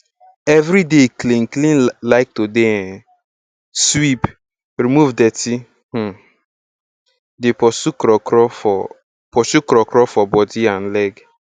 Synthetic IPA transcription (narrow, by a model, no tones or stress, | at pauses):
ɛvɾideklĩŋ̩klĩnlaɪk̚tode | swip | ɾimuvdɛti | h̩ | depɔsukɾɔɾɔ | pɔʃukɾɔkɾɔfɔbɔdian̩lɛɡ